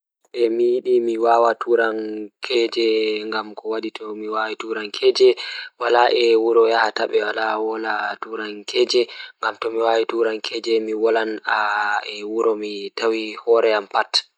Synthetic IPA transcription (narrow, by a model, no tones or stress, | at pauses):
ʔɛmijiɗimiwaːwatʰuɾankʰɛd͡ʒɛŋɡamkɔwaɗitʰɔmiwawituɾankʰɛːd͡ʒɛwalaʔɛwuɾɔjahataɓɛwalawɔlatuɾaŋkʰɛd͡ʒɛŋɡamtɔmiwawituɾankʰɛd͡ʒɛmiwɔlanaɛwuɾɔmitawihɔɾɛampat